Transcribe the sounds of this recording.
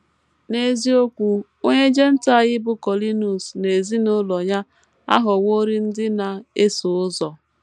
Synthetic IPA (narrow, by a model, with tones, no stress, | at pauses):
ne˨zi˦o˦kʷu˨ | o˦ɲe˦d͡ʒe˦n̩˦ta˦˨ɣɪ˦bʊ˦kɔ˨li˦nu˨sne˨zi˦no˦lɔ˨ɲa˦ | a̰˦ɦʊ˨wo˦ɾi˦n̩˦dɪ˦na˨e˦sʊ˨ʊ˦zɔ˨